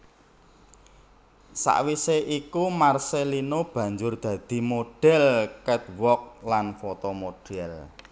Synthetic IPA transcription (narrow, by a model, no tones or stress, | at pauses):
sa̰ʔwiseʔikumarselinob̥ä̤ɲd͡ʒʊrd̪̥ä̤d̪̥i̤moɖ̥ɛ̤lkɛt̪̚wɔk̚lanfot̪omoɖ̥ɛl